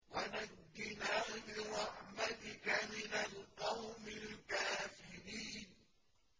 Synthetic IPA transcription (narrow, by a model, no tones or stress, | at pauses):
wanadːɪnaɣmɪɾˤɑħmat̪ɪkamɪnalqɑwmɪlkaːfɪɾiːn